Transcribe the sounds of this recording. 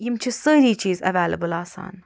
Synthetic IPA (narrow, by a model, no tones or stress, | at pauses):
jimt͡ʃʰisəːɾit͡ʃʰizə̰veːləbəlɑːsɑ̰̃ːn